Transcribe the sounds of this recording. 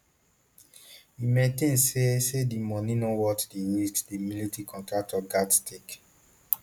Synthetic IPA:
imɛ̃ntẽnsesedimɔ̃nĩnowɔtdeɹistdimilitikʰɔ̃ntɹak̚tʰɔɡattʰek

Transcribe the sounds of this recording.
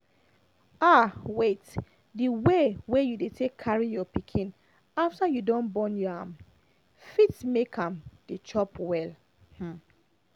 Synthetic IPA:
awet | diwewejudetʰekʰːaɹijɔpikʰĩn | aftajudɔ̃nbɔ̃njɔãm | fitmekʰãmd̥et͡ʃɔpwɛl | h̩

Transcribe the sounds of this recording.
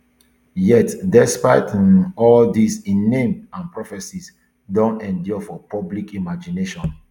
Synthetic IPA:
jɛtdɛspaɪtĩnɔldisĩnːẽmãnpɹɔfɛsis | dõntɛ̃ndjɔfɔpʰɔblikimad͡ʒineʃɔ̃n

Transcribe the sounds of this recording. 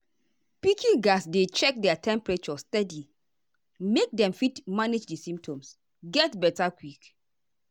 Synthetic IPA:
pikʰiɡasdet͡ʃɛk̚dɛatʰɛ̃mpɹet͡ʃɔstɛdi | mek̚dɛ̃mfitmaned͡ʒdisĩmptʰɔ̃ms | ɡɛtbɛtakwik

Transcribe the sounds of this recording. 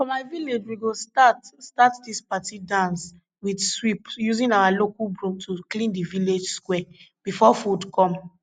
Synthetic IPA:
fɔ̃maɪviled͡ʒwiɡostatstatdispatidãns | widswipjuzĩnawalokubɹuk̚tʰuklĩndiviled͡ʒskwɛ | b̥ifɔfudkɔ̃m

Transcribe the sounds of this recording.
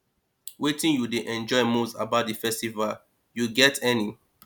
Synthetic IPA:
wetĩnjudeʔɛ̃nd͡ʒɔɪmustabaʊt̚difɛstival | juɡɛtʰɛni

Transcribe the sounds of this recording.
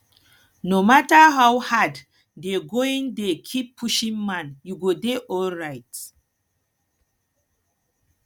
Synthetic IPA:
nomataɦawhad | deɡoĩŋdekʰipʰːuʃĩŋmãnjuɡodeʔɔlɹajt

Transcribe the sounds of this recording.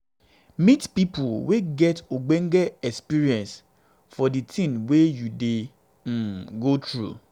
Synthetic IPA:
mitpipʊlweɡɛtoɡ͡beŋ̩ɡeɛkspiɹiɛ̃ns | fɔditʰĩnwejude | m̩ɡotɹṵ

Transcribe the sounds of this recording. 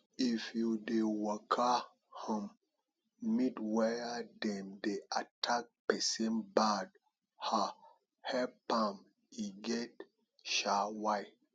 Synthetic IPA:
ifjudewakʰa | hə̃m | midwɛjadɛ̃mdeatʰak̚pɛsẽnbad̚ | ha | hɛpãm | iɡɛt | ʃawaj

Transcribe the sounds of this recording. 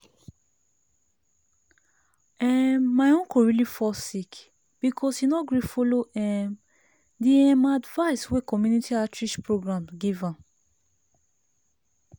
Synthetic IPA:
ɛmːaõnkoɹilifɔsik | b̥ikʰɔshinɔɡɹifoloʔɛ̃m | deɛ̃madvaɪswekɔmjunitʰiatɹiʃpɹoɡɹãmɡivã

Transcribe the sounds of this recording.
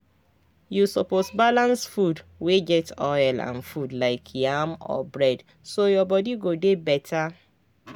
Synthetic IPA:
jusɔposbalãnsfudweɡɛtɔjlã̰nfudlaɪkʰjamɔ̰bɹɛd | sojɔbɔdiɡodebɛtʰa

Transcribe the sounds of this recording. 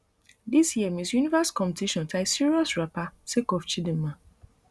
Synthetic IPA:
disjiɛmĩsjunivaskɔ̃mptʰiʃɔ̃ntʰaɪsiɹiɔsɹapasekɔft͡ʃidĩmːã

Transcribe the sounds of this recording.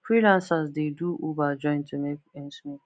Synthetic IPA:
fɹilãnsəzd̪eduʔubad͡ʒɔ̃ɪ̃ntʰumekɛ̃nsmi

